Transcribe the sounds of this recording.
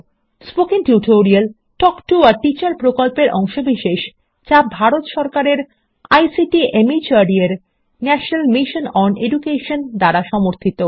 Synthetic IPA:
spokiŋʈuʈoɾial | ʈɔkʈuaɾʈit͡ɕaɾpɾokolpeɾʔɔŋʃobiʃeʃ | t͡ɕabʱaɾot̪ʃɔɾkaɾeɾ | ajsiʈiʔemit͡ɕaɖieɾ | nɛʃonalmiʃonɔneɖukeʃond̪aɾaʃɔmoɾt̪ʰit̪o

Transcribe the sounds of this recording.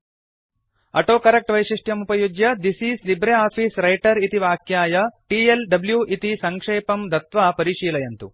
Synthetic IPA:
ɐʈoːkɐɾɐk̚ʈʋɐjʃiʂʈjɐmupɐjud͡ʒjɐd̪isiːslibɾeaːpiːsɾɐjʈɐɾit̪iʋaːkjaːjɐʈiːelɖɐbljuːʔit̪isɐŋkʂeːpɐmd̪ʱɐt̪ʋaːpɐɾiːʂiːlɐjɐnt̪u

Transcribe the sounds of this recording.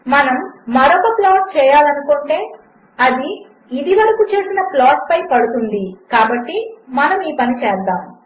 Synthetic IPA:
mɐnɐmːɐɾɔkɐplaːʈ̚t͡ʃɛːjaːlɐnukoɳʈe̞ː | ɐd̪iː | d̪iʋɐɾɐkut͡ʃeːsinɐplaːʈpɐjpɐɽut̪und̪ikaːbɐʈːimɐnɐmiːpɐnit͡ʃɛːd̪aːm

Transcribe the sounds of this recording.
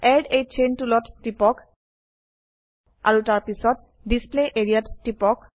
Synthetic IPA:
ɛɹɖejt͡ʃʰentulɔtːipɔk | a̰ɹutaɹpisɔt̚ | displeʔeɹiatːipɔk

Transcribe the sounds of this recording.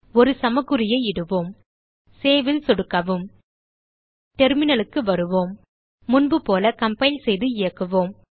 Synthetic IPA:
ɔɾɯsɐmɐɣɯɾɪjɐɪɪɽɯʋoːm | seːʋɪlsɔɽɯkːɐʋɯm | ʈɛɾmɪnɐlɯkːɯʋɐɾɯʋoːmː | ʊnbɯpoːlɐkɐmpɐjɪlsɛjðɯɪjɐkːɯʋoːm

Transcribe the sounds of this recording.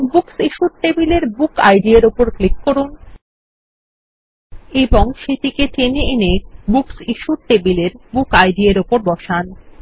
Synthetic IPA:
buksiʃuɾʈebileɾbuka̰jɖieɾopoɾklikːoɾun | eboŋʃeʈ̪iket͡ɕeneenebuksiʃuɾʈebileɾbukajɖieɾopoɾbɔʃan

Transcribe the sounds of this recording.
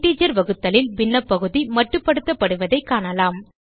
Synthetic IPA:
ʈːiːd͡ʒɐɾʋɐɣɯt̪ːɐlɪlbɪnːɐpːɐɣɯðimɐʈrɯpːɐɽɯt̪ːɐpːɐɽɯʋɐðɐɪkːaːɳɐlaːm

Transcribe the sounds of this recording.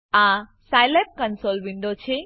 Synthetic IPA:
ã | sajlep̚kənsolʋĩɳɖot͡ɕʰe

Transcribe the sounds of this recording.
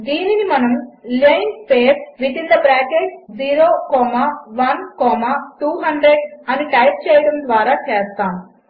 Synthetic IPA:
d̪iːninimɐnɐmlejnpeːɾʋit̪ind̪ɐbɾaːkeʈd͡ziːɾoːkɔːmaːʋɐnkɔːmaːʈuːɦɐɳɖɾeɖɐniʈɐjp̚t͡ʃɛːjɐɽɐmd̪ʋaːɾaːt͡ʃɛːst̪aːm

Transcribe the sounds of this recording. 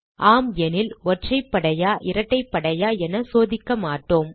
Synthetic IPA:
ʔaːmjɛnɪlɔʈrɐɪpːɐɽɐjaːʔɪɾɐʈːɐɪpːɐɽɐjaːɛnɐsoːðɪkːɐmaːʈːoːm

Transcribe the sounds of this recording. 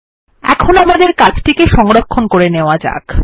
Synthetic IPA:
ɛ̰kʰonamad̪eɾkad͡ʑʈikeʃɔŋɾokʰːonkoɾeneoad͡ʑa̰k

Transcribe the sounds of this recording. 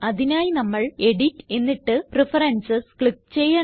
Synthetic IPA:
ɐðinaːjinɐmːɐɭe̞ɽitːe̞nːiʈːɨprefɐɾɐnsɐskɭikːt͡ɕe̞jːɐ

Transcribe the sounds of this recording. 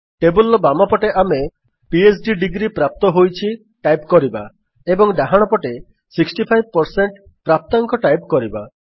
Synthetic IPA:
ʈebulɔbamɔpɔʈeʔame | pies̬ɖiɖiɡɾipɾap̚t̪ɔɦojt͡ʃʰi | ʈajpkɔɾiba | ebɔŋɖaɦaɽ̃ɔpɔʈe | siksʈipʰajb̚pɔɾseɳʈ | pɾap̚t̪aŋkɔʈajpkɔɾiba

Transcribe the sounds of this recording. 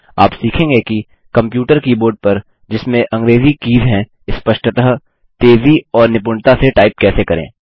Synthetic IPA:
a̰ːpsiːkʰẽŋɡeki | kɐ̃mpjuːʈəɾkiboːɾɖ̚pɐɾ | d͡ʒɪsmẽʔɐ̃ŋɡɾeːzikiːzɦɛ̃ | ɪspɐʃʈət̪əɦ | t̪eːziɔːɾnɪpʊɳt̪aseʈaːɪp̚kɛːsekɐɾḛ̃ː

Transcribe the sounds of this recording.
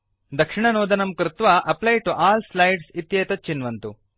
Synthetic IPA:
d̪ɐkʂiɳɐnoːd̪ɐnɐmkɾɪt̪ʋɐʔɐplɐjʈuʔaːlslɐjɖsit̪jeːt̪ɐt͡ʃinʋɐnt̪u

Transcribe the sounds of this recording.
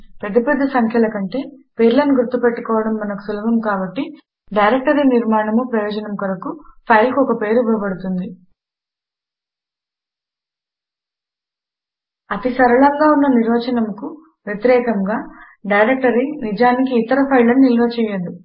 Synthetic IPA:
pɾɐd̪iped̪ːɐsɐŋkʰjɐlɐkɐɳʈe̞ːpe̞ːɾlɐnuɡuɾt̪ːupeʈːukɔːʋɐɽɐmːɐnɐku̥sulɐbɐmkaːbɐʈːi | ɖɐjɾek̚ʈɐɾiniɾmaːɳɐmupɾɐjɔːd͡ʒɐnɐmkoɾɐkupʰɐjlkuɔkɐpe̞ːɾubɐɭɐbɐɽut̪und̪i | ɐt̪isɐɾɐɭɐŋɡaːunːɐniɾʋɐːt͡ʃɐnɐmku | ʋjet̪iɾɛːkɐŋɡaː | ɖɐjɾek̚ʈɐɾinid͡ʒaːnikiːt̪ɐɾɐpʰɐjlɐnnilɡɐt͡ʃɛːjɐd̪u

